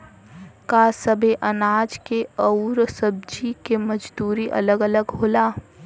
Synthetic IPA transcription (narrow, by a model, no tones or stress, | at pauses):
kasəbeʔənaːd͡ʒkeɔʊɾsəb̚d͡ʒikeməd͡ʒd̪uːɾiʔə̰ləɡələɡɦoːlaː